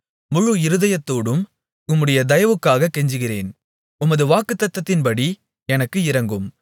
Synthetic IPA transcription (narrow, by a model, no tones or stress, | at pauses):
mʊɻuɪɾɯðɐjɐt̪ːoːɽɯm | ʊmːɯɽɐjɐd̪ɐjɐʋɯkːaːɣɐkːɛɲd͡ʒɯɣɪreːn | ʊmɐðɯʋaːkːɯt̪ːɐt̪ːɐt̪ːɪnpɐɽi | ɛnɐkːɯɪɾɐŋɡɯm